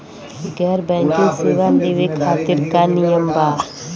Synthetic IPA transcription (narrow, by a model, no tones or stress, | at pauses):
ɡɛːɾbɛ̃ŋkesiʋand̪eʋekʰaːt̪iɾkanijəmba